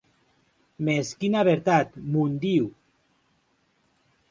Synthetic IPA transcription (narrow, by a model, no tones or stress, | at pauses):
meskinaβeɾt̪at̪mund̪iw